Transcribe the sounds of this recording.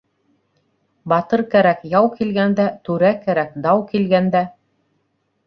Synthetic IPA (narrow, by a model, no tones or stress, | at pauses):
bɑt̪ɤɾkæɾækjɑwkilɡænd̪æt̪ʉɾækæɾækd̪ɑwkilɡænd̪æ